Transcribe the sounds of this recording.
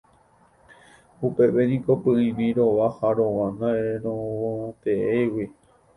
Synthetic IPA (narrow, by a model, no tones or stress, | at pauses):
upe̞ʋenĩko̞pɨĩɾĩɾoʋahaɾoʋãnd̪aeɾõõt̪eewi